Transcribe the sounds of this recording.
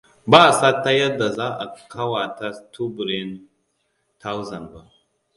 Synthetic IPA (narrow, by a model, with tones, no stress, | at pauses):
baː˦˨sa˦tːa˦jɐ˦da˨za˦ʔa˨kʰa˦wa˨ta˦tʰu˦bɾe˦n | tʰa˦wzɐ˨nba˨